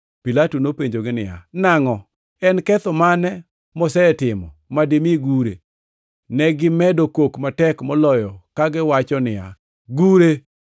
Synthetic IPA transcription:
pilatunopeɲd͡ʒoɡɪnɪ̰ja̰naŋɔ | ɛnkɛt̪ɔmanɛ | mɔsɛɛtɪmɔ̰mademiɡuɾḛ | nɛɡɪmɛdokokmatɛkmɔlɔjɔkaɡɪwat͡ʃɔnɪja̰ | ɡuɾe

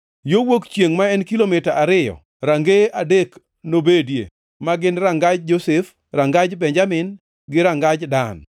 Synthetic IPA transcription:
jowokt͡ʃjeŋmaɛnkilomɪtaʔaɾɪjɔ̰ | ɾaŋɡeadek | nobedjḛ | maɡɪnɾaŋɡad͡ʒd͡ʒosef | raŋɡad͡ʒbɛɲd͡ʒamɪn | ɡɪɾaŋɡad͡ʒdan

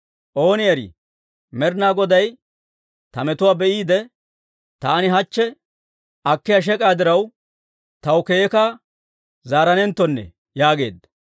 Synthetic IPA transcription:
ʔo̞ːnɪjɐɾḭ | mɛɾnaːɡɔd̪ɐj | t̪ɐmɛt̪ʊwaːbɛʔiːd̪ɛ | t̪aːnɪɦɐt͡ʃːɛ | ʔɐkːɪjaʃ̬ɛkʼaːd̪ɪɾɐw | t̪ɐwkeːkɐ | zaːɾɐnɛnt̪ːɔnːɛ̰ | jaːɡe̞̰ːd̪ːɐ̥

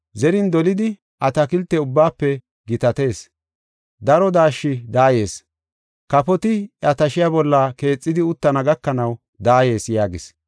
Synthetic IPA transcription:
zɛɾɪnd̪ɔlɪd̪ɪ | ʔɐt̪ɐkɪlt̪ːɛʊbːaːpːɛ | ɡɪt̪ɐt̪e̞ːs | d̪ɐɾɔd̪aːʃːɪd̪aːje̞ːs | kɐpɔt̪ɪɐt̪ɐʃɪjaːbɔlːɐke̞ːt͡sʼːɪd̪ɪʊt̪ːɐnɐɡɐkːɐnɐw | d̪aːje̞ːsjaːɡɪs

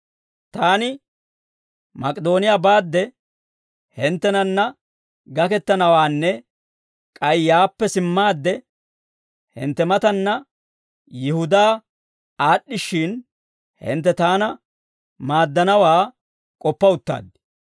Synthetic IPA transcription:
t̪aːnɪ | mɐkʼd̪o̞ːnɪjaːbaːd̪ːɛ | hɪnt̪ːɛnɐnːɐ | ɡɐkɛt̪ːɐnɐwaːnːɛ | kʼɐjjːaːpːɛsɪmːaːd̪ːɛ | hɪ̰nt̪ːɛmɐt̪ɐnːɐ | jɪhʊd̪aː | aːɗːɪʃːɪn | hɪ̰nt̪ːɛt̪aːnɐ | maːd̪ːɐnɐwaː | kʼɔpːɐʊt̪ːa̰ːd̪ɪ̥

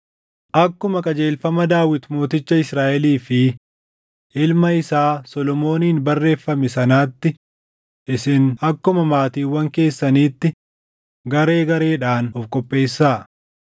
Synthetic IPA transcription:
ʔɐkːʊmɐkʼɐd͡ʒe̞ːlfɐmɐd̪aːwɪt̪mo̞ːt̪ɪt͡ʃːɐɪsɾaːʔɛliːfɪ | ʔɪlmɐɪsaːsɔlɔmo̞ːniːnbɐrːe̞ːfːɐmɛsɐnaːt̪ːɪ | ʔɪsɪnɐkːʊmɐmaːt̪iːwɐŋke̞ːsːɐniːt̪ːɪ | ɡɐɾe̞ːɡɐɾe̞ːᶑaːnɔfkʼɔpʼːe̞ːsːaː

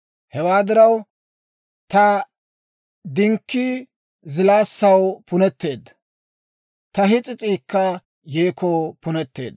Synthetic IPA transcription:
hɛwaːd̪ɪɾɐw | t̪ɐ | d̪ɪŋkːi | zɪlaːsːɐwpʊnɛt̪ːe̞ːd̪ɐ | t̪ɐɦɪt͡sʼɪt͡sʼiːkːɐ | jeːkʰɔpʊnɛt̪ːe̞̰ːd̪

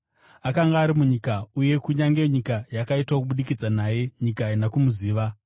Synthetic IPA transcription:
akaŋɡaːɾimuɲikauje̞kuɲaŋɡe̞ɲikajakaitwakuɓuɗikid͡zanaːje̞ɲikanakumuziːʋa

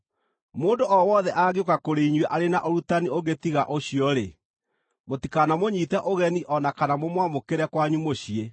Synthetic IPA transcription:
moːndoʔɔwɔðɛʔaɣeokakoɾeiɲwɛʔaɾenaʔoɾutanioɡetiɣaʔoɕiɔɾe | motikanamoɲitɛʔoɣɛniʔɔnakanamomwamokeɾɛkwaɲumoɕie

